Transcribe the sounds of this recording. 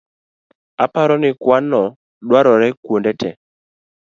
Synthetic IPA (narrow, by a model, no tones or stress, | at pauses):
apaɾɔnɪkwanɔ | ɗwaɾɔɾɛkwondɛtʰɛ